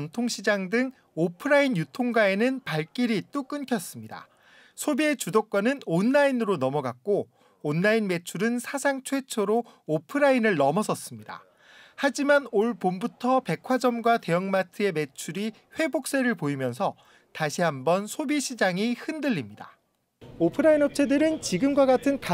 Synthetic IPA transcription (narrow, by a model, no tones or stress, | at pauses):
ntʰoŋɕʰid͡ʑaŋdɯŋ | opʰɯɾainjutʰoŋɡae̞nɯnpaɭk͈iɾit͈uk͈ɯnkʰjʌs͈ɯmɲida̰ | sʰobie̞t͡ɕudok̚k͈wanɯnonːainɯɾonʌmʌɡak̚k͈oː | nːainme̞t͡ɕʰuɾɯnsʰasʰaŋt͡ɕʰwe̞t͡ɕʰoɾoopʰɯɾainɯɭːʌmʌs̬ʰʌs͈ɯmɲida̰ | had͡ʑimanoɭpombutʰʌpe̞kʰwad͡ʑʌmɡwate̞jʌŋmatʰɯe̞me̞t͡ɕʰuɾi | ɸwe̞bok̚s͈e̞ɾɯɭpoimjʌnsʰʌ | taɕʰiɦambʌnsʰobiɕʰid͡ʑaŋihɯndɯʎːimɲida̰ | opʰɯɾainʌp̚t͡ɕʰe̞dɯɾɯnt͡ɕiɡɯmɡwaɡatʰɯnka